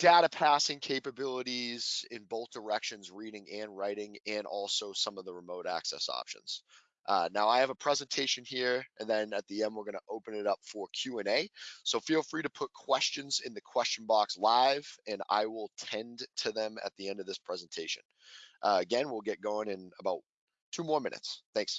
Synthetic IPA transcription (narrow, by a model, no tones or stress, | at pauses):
d̥æʊɾɨpʰæsɪ̃ŋkʰeɪpɨbɪlˠəɾiz̥ɪ̃nboʊθd̥ə˞ɛkʃɨ̃nzɹiɾɪ̃ŋɨ̃nɹaɪɾɪ̃ŋɨ̃nʔɔlˠsoʊsʌ̃mʌvðəɹəmoʊɾæ̰ksɛ̰sɑ̰pʃɨ̰̃nz̥ | ʔnaʊaɪɨvəpʰɹ̥ɛzɨ̃ntʰeɪʃɨ̃nhiɹɨ̃nðɨ̃nɨt̪̚ðiɛ̃nd̚wəɹɡʌnəʔoʊpɨ̃nɨɾʌpfə˞kʰj̥ʉɛ̃neɪsoʊfilˠfɹiɾɨpʰʊt̚kʰw̥ɛst͡ʃɨ̃nzɪ̃nðɨkʰw̥ɛst͡ʃn̩bɑkslaɪv̥ɨ̃na̰ɪwɪlˠtʰɛ̃ntʰɨðɨ̃mɨ̰t̪̚ðiɛ̃ndʌvðɪspʰɹ̥ɛz̃n̩tʰeɪʃɨ̰̃n | ʔɨɡɛ̃nwilˠɡɛt̚ɡ̥ɔʊ̃nɨ̃nəbaʊt̚ | tʰʉmɔɹmɪ̰̃nɨ̰tsθæ̃ŋks